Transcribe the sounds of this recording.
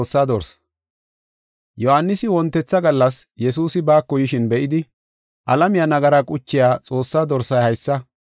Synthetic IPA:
sːaːd̪ɔɾs | jɔhanːɪsɪwɔnt̪ːɛt͡sːɐɡɐlːɐsjɛsuːsɪbaːkːɔjɪʃɪnbɛʔɪd̪ɪ | ʔɐlɐmɪjɐnɐɡɐɾakʼʊt͡ʃːɪjaːt͡sʼo̞ːsːaːd̪ɔɾsɐjhɐjsːɐ

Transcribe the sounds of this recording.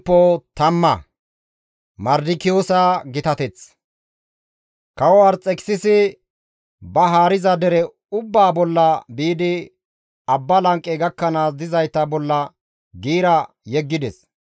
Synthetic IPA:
pːot̪ɐmːɐ̰ | mɐɾd̪ɪkɪjoːsaːɡɪt̪ɐt̪ɛt͡s | kɐwɔwɐɾt͡sʼɛkɪ̥sɪsɪ | bɐɦaːɾɪzɐd̪ɛɾɛ | ʊbːaːbɔlːɐbiːd̪ɪ | ɐbːɐlɐŋkʼːɛɡɐkːɐnaːs̬d̪ɪzɐjt̪ːɐbɔlːɐ | ɡiːɾɐ | jɛɡːɪd̪ɛs

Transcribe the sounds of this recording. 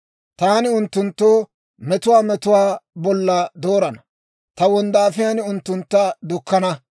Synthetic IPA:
t̪aːnɪʊnt̪ːʊnt̪ːoː | mɛt̪ʊwaːmɛt̪ʊwaːbɔlːɐd̪oːɾɐnɐ | t̪ɐwɔnd̪aːfɪjaːnʊnt̪ːʊnt̪ːɐd̪ʊkːɐnɐ

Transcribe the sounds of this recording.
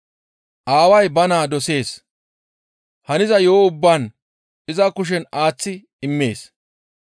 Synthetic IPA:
ʔaːwɐjbɐnaːd̪ɔse̞ːs | hɐnɪzɐjoːʊbːaːn | ɪzɐkʊʃ̬ɛnaːt͡sːɪ | ɪmːe̞ːs

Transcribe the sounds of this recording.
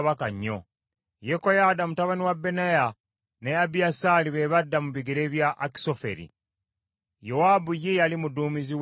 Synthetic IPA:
βakaɲːo̰ | jekojadamutaβaniwabːe̞naja | ne̞abiasaliβeβadːamuβiɡeɾeβjaʔːki̥sofḛɾḭ | jowaːbujejalimuduːmiziw

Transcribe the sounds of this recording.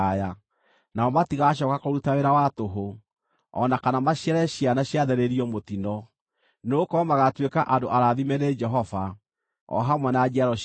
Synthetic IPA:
aja | naɔmatiɣaɕ̬ɔkakoɾutaeɾawatoɦo | ɔnakanamaɕjɛɾɛɕianaɕjaðɛɾeɾiɔmotinɔ | neokɔmaɣatwekaʔandoʔaɾaðimɛɾed͡ʒɛɦɔva | ɔ̰ɦamwɛnad͡ʒiaɾɔ

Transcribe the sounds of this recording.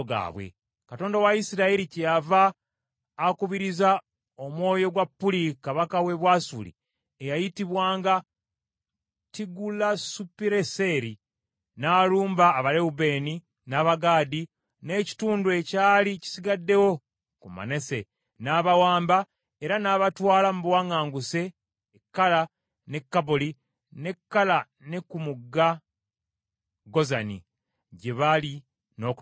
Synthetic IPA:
ɡa̰ːβwḛ | kato̞ːndawaisiɾaiɾicejavaː | kuβiɾiza | o̞mwo̞ːjo̞ɡwapːulikaβakawe̞βwaːsulḭ | ejajitiβwaːŋɡa | tiɡulasupiɾeseɾi | naːluːmbaːβaɾeube̞ːni | naːβaɡaːdi | ne̞ːci̥tuːndwe̞caːlici̥siɡadːe̞wo̞ | kuma̰ne̞se̞ | naːβawaːmba | e̞ɾanaːβatwaːlamuβwaŋaːŋɡuse̞ː | kːala | ne̞kːaboli | ne̞kːala | nekumuɡːa | ɡo̞zanḭ | ɟe̞βali | no̞k

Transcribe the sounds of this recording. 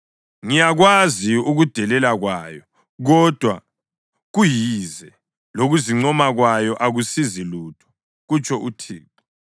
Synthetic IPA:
ŋijaɣwaziuɣud̥ʱɛlɛlaɣwaːjɔ | ɣɔd̥ʱwa̰ | ɣujizɛ | loɣuziŋ͡ǀɔmaɣwajɔʔaɣusiziluːtʰɔ̥ | ɣut͡ʃʼɔʔutʰiːǁa

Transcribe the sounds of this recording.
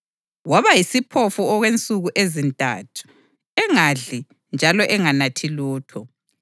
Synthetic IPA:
waβajisipʰofuɔɣwent͡sʼuɣuʔezintʼa̰tʰu̥ | ɛŋaɮi | nd͡ʒʱalɔʔɛŋanatʰiluːtʰɔ

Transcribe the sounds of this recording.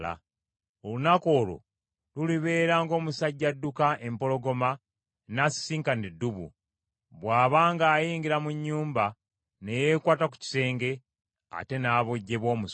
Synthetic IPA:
la̰ | olunako̞ːlo̰ | luliβe̞ːɾaːŋɡo̞ːmusaɟːadːukaʔe̞mpo̞lo̞ɡo̞ma | nasi̥siːŋkanidːuβṵ | βwaːβaːŋɡaːjiːŋɡiɾamuɲːuːmba | ne̞je̞kwaːtak̬u̥ci̥se̞ːŋɡe̞ | a̰te̞naβoɟːe̞βo̞ːmus

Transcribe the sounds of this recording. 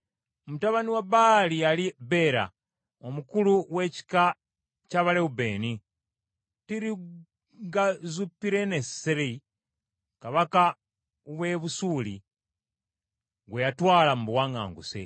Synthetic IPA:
omutaβaniwabalialibe̞ɾa̰ | omukuluwe̞ci̥ka | caβaleube̞ːni | tiɾi | ɡazupiɾeneseɾe | kaβaka | uβwe̞βusuːlḭ | ɡwejatwaːlamuβwaːŋa̰ːŋɡusḛ

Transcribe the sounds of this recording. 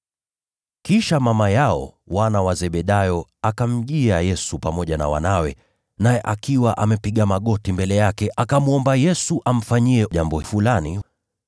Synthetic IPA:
kiʃamamajaɔ̰ | wanawazɛɓɛɗajɔakam̩ʄiajɛsupamɔʄana̰wa̰nawɛ | najɛʔakiwaʔamɛpiɠamaɠɔtimbɛlɛjakɛʔakamuɔmbajɛsuʔam̩faɲiɛʄambɔfulani

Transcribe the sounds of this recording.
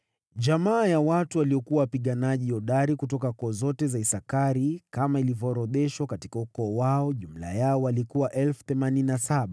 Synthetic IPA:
ʄamaːjawatuwaliɔkuwawapiɠanaʄijɔɗaɾikutɔkakɔːzɔtɛzaisakaɾikamailivjɔɾɔðɛʃwakatikaukɔːwaɔʄum̩la̰jaɔwalikuwaʔɛlfu̥θɛmanininasaɓa

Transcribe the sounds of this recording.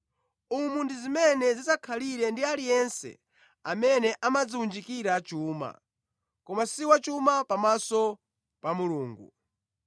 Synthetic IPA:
umundizimɛnɛzizakʰaliɾɛndialijɛnsɛ̰ | amɛnɛʔamad͡ziund͡ʒikiɾat͡ʃuːma̰ | kɔmasiwat͡ʃumapamasɔ | pamuluːŋɡṵ

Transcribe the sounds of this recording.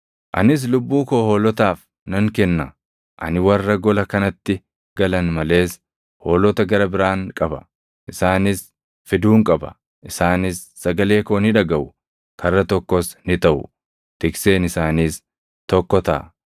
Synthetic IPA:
ʔɐ̰nɪs̬lʊbːuːkoːhɔlɔt̪aːf | nɐŋkɛnːɐ | ʔɐ̰nɪwɐrːɐɡɔlɐkɐnɐt̪ːɪ | ɡ̥ɐlɐnmɐle̞ːs | hoːlɔt̪ɐɡɐɾɐbɪɾaːŋkʼɐbɐ | ʔɪsaːnɪs | fɪd̪uːŋkʼɐbɐ̰ | ʔɪsaːnɪsːɐɡɐle̞ːkoːnɪᶑɐɡɐʔʊ | kʰɐrːɐt̪ɔkːɔsnɪt̪ɐʔʊ̰ | t̪ɪkse̞ːnɪsaːniːs | t̪ɔkːɔt̪ɐ̰ʔ

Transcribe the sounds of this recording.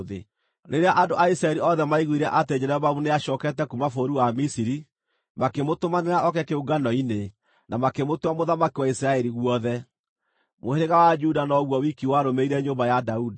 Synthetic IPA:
ðḛ | ɾʔeɾeaʔandoʔaisɾaɛɾiɔðɛmaiɣwiɾɛʔated͡ʒɛɾɛvamuneaʃɔːkɛtɛkumafoɾuwamisiɾi | makemotomaneɾaɔkɛkeoɡanɔine | nʔamakemotwamoðamakiwaisɾaɛɾiɣwɔðɛ | moheɾeɣawad͡ʒudanɔɣwɔwikiwaɾomeiɾɛɲombajadaudi

